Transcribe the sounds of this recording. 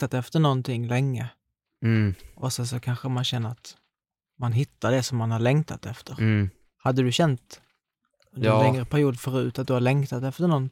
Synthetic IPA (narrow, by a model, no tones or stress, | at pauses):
t̪at̪ɛft̪əɳɔnt̪ʰɪŋːlɛŋːə | ʔɔsɛnsɔkʰanɧəmanɕɛnːəɾat̪ | manɦɪt̪ːaɖɛsɔmːanhaɭɛŋt̪ʰa̰t̪ɛft̪ʰəɾ | had̪ːəd̪ɵɕɛnt̪ | nlɛŋɾəpʰæɾjuːd̪fœɾʉ̟ːt̪at̪̚d̪ɵhaɭlɛŋt̪at̪ɛft̪əɳɔn